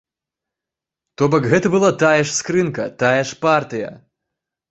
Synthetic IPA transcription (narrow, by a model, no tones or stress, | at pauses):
t̪ɔbɐkɣɛt̪ɐbɨlˠat̪ajɛʂskɾɨnkɐt̪ajɛʂpart̪ɨjɐ̰